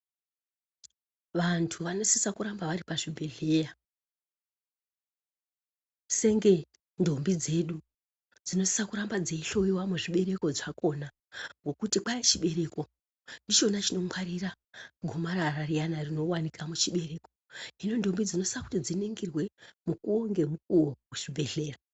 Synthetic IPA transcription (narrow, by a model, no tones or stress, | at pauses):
ʋantʰuʋano̞sisakuɾambaʋaɾipaʐibʱeɮeːja | se̞ŋɡe̞ | ndo̞mbid͡ze̞ɗu | d͡zino̞si̥sakuɾambad͡zeiɬo̞iwamuʐiɓe̞ɾe̞ko̞ʐako̞na | ŋɡo̞kutipait͡ʃiɓe̞ɾe̞ko̞ | ndit͡ʃo̞nat͡ʃino̞mwaɾira | ɡʱomaɾararijanarino̞wanikamut͡ʃiɓe̞ɾe̞ko | ino̞ndo̞mbid͡zino̞si̥saku̥tid͡zineŋɡirwe̞mukuoŋɡe̞mukuwokuʐ̥ibʱe̞ɮe̞ːra